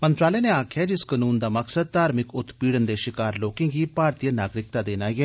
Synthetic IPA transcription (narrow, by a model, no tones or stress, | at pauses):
mə̃nt̪ɾaːleaneaːkʰjad͡ʒɪskənuːnd̪aːməksəd̪̚t̪aːɾmɪkʊt̪piːɽənd̪eːʃɪkaːɾloːkẽɡiːpaːɾt̪ijənaːɡɾɪk̚t̪aːd̪eːnaːiɛː